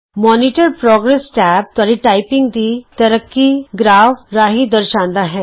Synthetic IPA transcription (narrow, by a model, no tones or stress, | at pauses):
mɔːniʈəɾpɾɔːɡɾesʈɛːp̚t̪aɾiʈaːɪpɪ̃ŋɡd̪it̪ɐɾəkːiɡɾaːʋɾaːɦid̪əɾʃãːnd̪aɦɛː